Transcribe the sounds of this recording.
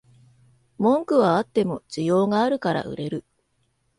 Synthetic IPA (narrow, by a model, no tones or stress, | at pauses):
mõ̞ŋkɯ̟βaat̪ːe̞mo̞ʑd͡ʑijo̞ːŋaːɾɯ̟kaɾa̰ʔɯ̟̰ɾe̞ɾɯ̟